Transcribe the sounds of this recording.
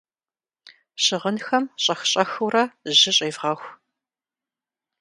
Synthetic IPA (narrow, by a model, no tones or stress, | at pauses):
ɕɪʁənxɐmɕʼɐxɕʼɐxuwrɐʑɪɕʼeːvʁɐxʷ